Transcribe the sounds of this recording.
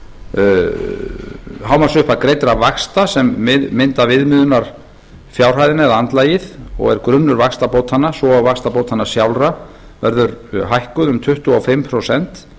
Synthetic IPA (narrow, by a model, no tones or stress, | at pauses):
ɦawmasʏhpakɾejt̪ɾavaxst̪asɛmːɪðːɪnt̪avɪðmɪːðʏnaɾ̥ | fjawr̥ɦajðɪnɛðant̪laːjɪðɔ̰ɣɛ̰ɾkɾʏnːʏɾvakst̪apoːwt̪hanːasvɔawvakst̪apowt̪hanːasjawlra | vɛɾðʏɾɦajhkʏðʏmt̪ʰʏht̪uafɪmpʰɾosɛnt̪